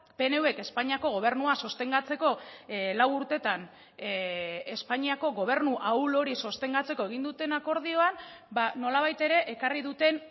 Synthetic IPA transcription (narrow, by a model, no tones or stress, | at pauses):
pe̞ne̞ue̞ke̞spaɲiako̞ɣ̞o̞β̞e̞ɾnuaso̞st̪e̞ŋɡat͡se̞ko̞lawuɾt̪e̞t̪an | espaɲiako̞ɣo̞β̞e̞ɾnuʔawlo̞ɾiso̞st̪e̞ŋɡat͡se̞ko̞e̞ɣ̞ind̪ut̪e̞nako̞ɾð̞io̞anbano̞laβ̞ajt̪e̞ɾe̞ʔekariðut̪e̞n